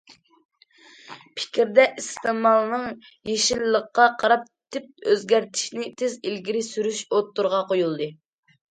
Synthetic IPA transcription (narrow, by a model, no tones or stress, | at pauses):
pʰɪ̥kʲɾd̪ɛʔist̪ɨmɑlˠnɨŋ | jeʃilːəqːɑqʰɑɾɑp̚t̪ʰɪp̚øzɡʲæɾt̪ʰɪ̥ʃnɪt̪ʰɪzilɡʲiɾɪsyɾyʃot̪ːuɾʁɑqojulˠd̪ɨ